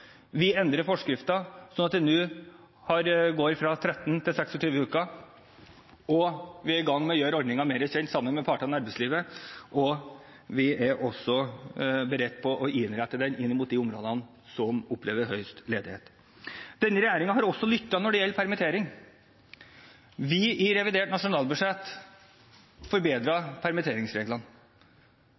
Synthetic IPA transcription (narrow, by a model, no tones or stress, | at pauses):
ʋɪɛnd̪ɾəɾfɔʂkɾɪft̪ɑsɔnɑt̪̚d̪ɛnʉː | hɑɾɡoːɾfɾɑt̪ʰɾɛt̪ːnt̪ʰɪlsɛksɔt̪ʰyːʋəʉːkɑ | ɔʋɪæɾɪɡɑŋːmɛɔjøːɾɔɾd̪nɪŋɑmeːɾəçɛnt̪sɑmːənmɛpʰɑʈɑnɑɾbɛsliːʋəʔɔ | ʋɪʔæɾʔɔsːɔbəɾɛt̪ːpʰɔʔɔʔɪnɾæt̪ːəd̪ɛnɪnːɪmuːt̪̚d̪ɪʊmɾoːd̪ən | sɔmʊpleːʋəɾɦœʏst̪leːd̪ɪheːt̪ | d̪̥ɛnːəɾɛjæːɾɪŋɑɦɑɾɔsːɔlʏt̪ːɑnɔɖɛjɛlːəpʰæɾmət̪ʰeːɾɪŋ | ʋɪɪɾɛʋɪd̪eːʈnɑʂʊnɑːlbʉʂɛt̪ː | fɔɾbeːd̪ɾɑpʰæɾmət̪ʰeːɾɪŋsɾeːɡlɑn